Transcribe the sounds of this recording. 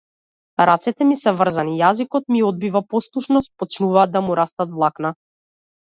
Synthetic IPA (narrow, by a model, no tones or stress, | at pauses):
ɾat̪sɛt̪ɛmisɛvr̩zanijazikɔt̪̚miɔd̪̚bivapɔslˠuʃnɔst̪̚pɔt͡ʃnuvaːd̪ːamuɾast̪at̪vlˠakna